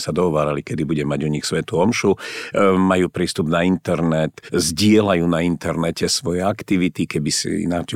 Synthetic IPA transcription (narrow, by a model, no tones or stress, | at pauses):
sad̪ɔɦɔʋaːɾalikɛd̪ibuɟɛmaɟuɲixsʋɛt̪uɔmʃu | majuːpɾiːst̪ubnaint̪ɛɾnɛt̪zɟɪɛlajuːnaint̪ɛɾnɛcɛsʋɔjɛakt̪iʋit̪ikɛbisḭnat͡ʃ